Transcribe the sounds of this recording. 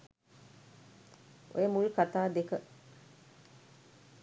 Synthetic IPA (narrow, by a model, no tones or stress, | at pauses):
ʔo̰jəmulkat̪aːd̪ekə